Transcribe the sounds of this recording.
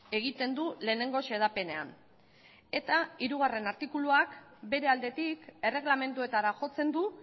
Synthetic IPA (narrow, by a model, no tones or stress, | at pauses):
e̞ɣ̞it̪e̞nd̪ule̞ːne̞ŋɡo̞se̞ð̞ape̞ne̞a̰n | e̞t̪aiɾuɣ̞are̞naɾt̪ikuluak | be̞ɾe̞ald̪e̞t̪ike̞re̞ɣlame̞nt̪ue̞t̪aɾaʝo̞t͡se̞nd̪u